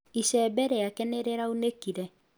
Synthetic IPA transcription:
iʃɛbɛɾɛakɛneɾeɾaonekiɾɛ

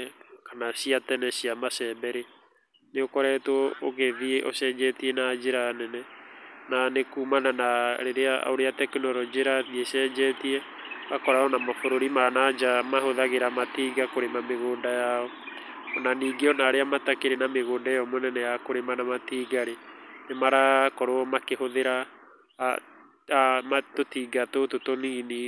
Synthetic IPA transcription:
kanasiatɛnɛsiamasɛːbɛɾe | neokɔɾɛtwɔoɣeðieʔo̰sɛːɲd͡ʒɛtiɛnad͡ʒeɾanɛnɛnanekuːmananaɾeɾea̰oɾeatɛkenɔɾɔd͡ʒeɾaiesɛːɲd͡ʒɛtiɛakɔɾaɔnamafoɾoɾimanad͡ʒamahoðaɣeɾamatiːɡakoɾemameɣoːndajaɔ | ɔnaniːɡeɔnaɾeamatakeɾenameɣoːndaeɔmonɛnɛjakoɾemanamatiːɡaɾenemaɾakɔɾoɔmakehoðeɾa | amatotiːɡatototonini

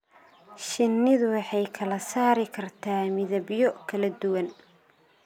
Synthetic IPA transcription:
ʃɪnːɪðʊwɑħɑjkʰɐlɐsaːɾɪkʰɐrt̪ʰaːmɪðɐbjɔkʰɐlɐd̪ʊwɐn

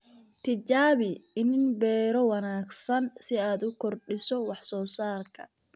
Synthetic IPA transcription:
t̪ʰɪt͡ʃaːβɪɪnɪnbɛːɾɔwɑnaːɡsɐnsɪaːd̪ʊkʰɔrɖɪsɔwɑħsɔːsaːrkʰɐ̰

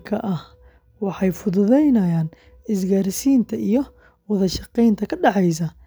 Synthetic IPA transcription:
kʰɐʔɐh | wɑħɑjfʊðʊðɛjnɐjaːn | ɪs̬ɡaːɾɪsiːnt̪ʰɐʔijɞ | wɑðɐʃɑqɛjnt̪ʰɐkʰɐɖɑħɑjs̬ɐ

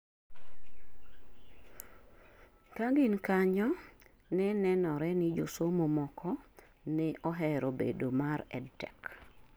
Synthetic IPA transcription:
kaɡɪnkaɲɔ | nɛnɛnɔɾɛnɪd͡ʒosomomɔkʰɔ | nɛʔɔɦɛɾobḛdomaɾɛ̰dtɛk

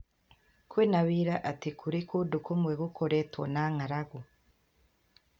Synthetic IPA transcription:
kwiːnaβiɾaʔatikʰuɾikudukumweɡukʰoɾetwo̰naŋaɾaɡu

